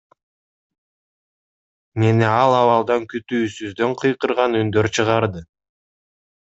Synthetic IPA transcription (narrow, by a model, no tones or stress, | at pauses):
me̞niɑlˠɑwɑlˠd̪ɑŋkyt̪yːsyzd̪ø̞ɴqʰɯjqɯɾʁɑnynd̪øɾt͡ʃʰɯʁɑɾd̪ɯ